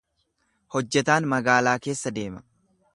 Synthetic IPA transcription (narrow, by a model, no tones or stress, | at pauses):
hɔd͡ʒːɛt̪aːnmɐɡaːlaːke̞ːsːɐd̪e̞ːmɐ̥